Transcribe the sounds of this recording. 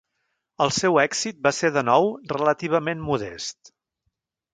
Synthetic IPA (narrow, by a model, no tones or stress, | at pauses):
əlˠsɛwɛkz̥it̪̚baseðənɔwrələt̪iβ̞əmenmuðɛ̰st̪